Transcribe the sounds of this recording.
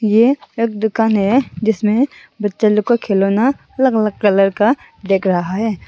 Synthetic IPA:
jeeːk̚d̪ʊkaːnɦɛd͡ʒɪsmẽ | bɐtːʃalʊkokʰeːloːna | ɐləɡələɡ̚kɐləɾka | d̪eːkʰɾɐɦaɦɛː

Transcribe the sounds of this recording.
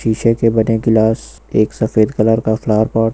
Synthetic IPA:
iːʃekebɐneɡɪlaːs | eːksɐfeːd̪kɐləɾkaflaːɾpaː

